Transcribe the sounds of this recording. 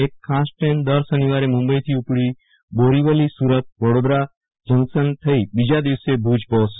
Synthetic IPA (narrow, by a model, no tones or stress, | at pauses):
ekʰːasʈend̪əɾsəniʋaɾemʊ̃mbəit̪ʰiupɽi | boɾiʋəlisuɾət̪̚ʋəɽob̪ɾa | d͡ʒəŋsənt̪ʰəibid͡ʒad̪iʋsebʱud͡ʒpɔːs